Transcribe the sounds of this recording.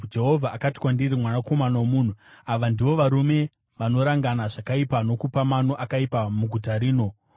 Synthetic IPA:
d͡ʒe̞ɦo̞vʱaʔːkati̥kwandirimwanako̞manawomun̤uaʋandiʋo̞ʋaɾume̞ | ʋano̞ɾaŋɡanaʐakaipano̞kupamano̞ʔakaipamuɡʱutaɾiːno̞

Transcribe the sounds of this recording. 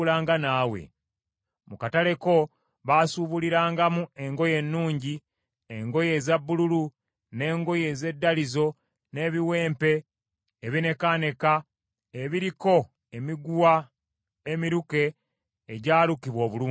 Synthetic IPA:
laːŋɡanaːwḛ | mukatale̞ko̞ | βasuβuliɾaːŋɡamue̞ŋɡo̞je̞nːuːɲɟi | eŋɡo̞je̞zabːululu | ne̞ːŋɡo̞je̞ze̞dːalizo̞ | ne̞ːβiwe̞ːmpe̞ː | βine̞kane̞ka | eβiɾiko̞ | emiɡuwa | emiɾuke̞ː | ɟaːlukiβwo̞ːβuluː

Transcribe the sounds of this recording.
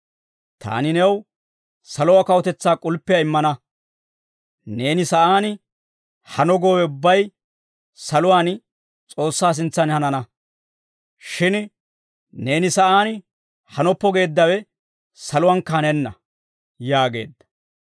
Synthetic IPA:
t̪ʰa̰ːnɪnɛw | sɐlʊwakɐwɔt̪ɛt͡sːaːkʼʊlpːɪjɐɪmːɐnɐ | ne̞ːnɪsɐʔaːn | hɐnɔɡoːwɛʊbːɐj | sɐlʊwaːn | t͡sʼo̞ːsːaːs̬ɪnt͡sːɐnhɐnɐnɐ | ʃɪn | ne̞ːnɪsɐʔaːn | hɐnɔpːɔɡe̞ːd̪ːɐwɛ | sɐlʊwɐnkːɐnɛnːɐ | jaːɡe̞̰ːd̪ːɐ̥

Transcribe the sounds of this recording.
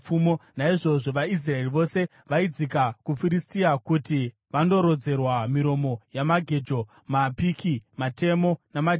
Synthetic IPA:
umonaiʐo̞ʐo̞ʋais̬rae̞riʋo̞se̞ | ʋaid͡zikakufiɾistijakuti | ʋando̞ɾo̞d͡ze̞rwamiɾo̞mo̞jamaɡʱe̞d͡ʒo̞ | mapikimate̞mo̞namad͡ʒ

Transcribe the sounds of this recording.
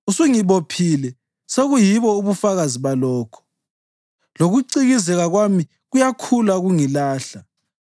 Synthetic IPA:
usuŋiβopʰilɛ | seɣujiβɔuβufaɣaziβalɔːkʰɔ̥ | loɣuǀiɣizɛɣaɣwami | ɣujakʰulaɣuŋilaːɬa

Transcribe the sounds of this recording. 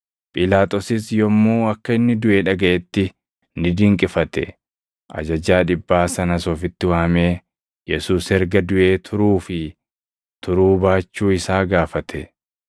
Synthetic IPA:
pʼɪlaːt̪ʼɔsɪsjɔmːuːɐkːɐɪnːɪd̪ʊʔeːᶑɐɡɐʔɛt̪ːɪ | nɪd̪ɪŋkʼɪfɐt̪ɛ | ʔɐ̰d͡ʒɐd͡ʒaːᶑɪbːaːsɐnɐsɔːfɪt̪ːɪwaːmeː | jɛsuːshɛɾɡɐd̪ʊʔe̞ːt̪ʰʊɾuːfɪ | t̪ʰʊɾuːbaːt͡ʃːuːɪsaːɡaːfɐt̪ʰɛ

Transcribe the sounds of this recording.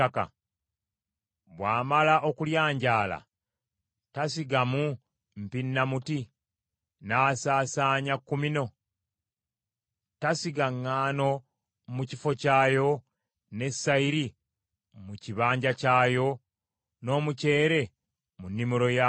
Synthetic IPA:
aka̰ | βwaːmalaʔo̞kuljaːɲɟaːla̰ | tasiɡamu | m̩pinːamuti | naːsaːsaːɲakːumino̞ | tasiɡaŋːaːno̞ | mucifo̞caːjo̞ | ne̞sːaiɾi | muciβaːɲɟacaːjo̞ | no̞ːmuce̞ːɾe̞ | munːimuɾo̞ja

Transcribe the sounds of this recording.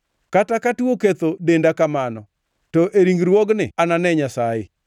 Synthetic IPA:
katakatuoket̪odendakamanɔ | tɔʔeɾiŋɡɾwɔɡnɪananɛɲasajɪ

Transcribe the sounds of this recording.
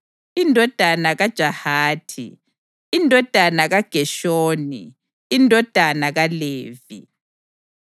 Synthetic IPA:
indʱɔd̥ʱanaɣad̥ʒ̥ʱahaːtʰḭː | ndʱɔd̥ʱanaɣaɡ̥ʱɛʃoːnḭː | ndʱɔd̥ʱanaɣaleːvḭ

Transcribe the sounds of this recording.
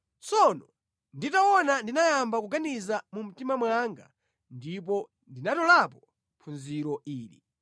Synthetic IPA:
t͡sɔnɔ | nditawɔnandinajambakuɡanizamum̩timamwaŋɡa̰ | ndip̬ɔ | ndinatɔlapɔ | pʰunziɾɔiːlḭ

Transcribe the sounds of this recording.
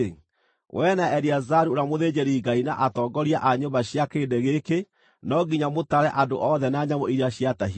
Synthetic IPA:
wʔɛnaɛɾiazaɾuoɾamoðed͡ʑɛɾiɡainaʔatɔɡɔɾiaʔaɲobaɕjakeːndeɣeke | nɔɡiɲamotaɾɛʔado̰ʔɔðɛnaɲamɔiɾiaɕiataɦ

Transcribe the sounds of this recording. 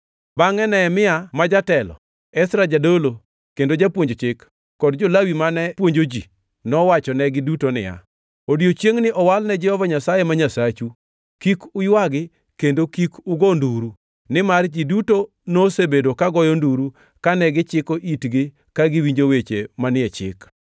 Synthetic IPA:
baŋɛnɛmɪamad͡ʒatɛlɔ̰ | ɛsɾad͡ʒadolo | kendod͡ʒapwoɲd͡ʒot͡ʃɪkː | ɔdd͡ʒolawimanɛpwoɲd͡ʒod͡ʒi | nɔwat͡ʃɔnɛɡɪdutonɪ̰ja̰ | odiot͡ʃjeŋnɪʔɔwalnɛd͡ʒɛhɔvaɲasajemaɲasat͡ʃu | kikʊjwaɡɪ | kendokikuɡonduɾu | nɪmard͡ʒiduto | nosebedokaɡɔjɔnduɾu | kanɛɡɪt͡ʃɪkoʔitɡɪ | kaɡɪwiɲd͡ʒowet͡ʃemanɪɛt͡ʃɪ̰k

